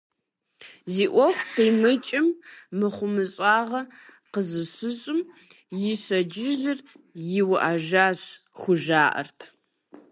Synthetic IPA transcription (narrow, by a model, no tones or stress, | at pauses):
ziːʔʷɔxʷqiːmɨt͡ʃʼɪmːɨχʷʊmɨɕʼɑːʁɐ | qəzɨɕɨɕʼɨm | jɪɕɐd͡ʒɪzɨr | jɪwʔaʒaːɕ | xʷʊʒaːʔɐ̰rtʰ